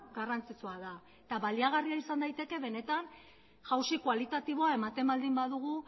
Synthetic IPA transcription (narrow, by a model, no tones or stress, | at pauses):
ɡarant͡sit͡soaða | et̪aβald̪iaɣ̞ariaisand̪ajt̪e̞ke̞βe̞ne̞t̪an | ʝawsikwalit̪at̪iβ̞o̞ae̞mat̪e̞mbald̪imbaðuɣ̞u